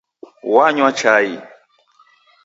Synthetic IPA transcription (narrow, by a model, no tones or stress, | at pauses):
waɲwat͡ʃaji